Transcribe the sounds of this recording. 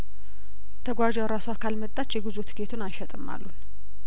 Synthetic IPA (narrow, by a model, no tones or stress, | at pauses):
t̪ʰəɡʷad͡ʒɛwɾaswakʰalmət̪ʼːat͡ʃːjɛɡɨzut̪ɡet̪ʰunajʃɛt̪ʼɨmːa̰lːun